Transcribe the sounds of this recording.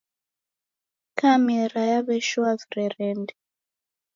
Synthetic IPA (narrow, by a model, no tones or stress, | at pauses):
kamɛɾajaβɛʃwavɾɛɾɛndɛ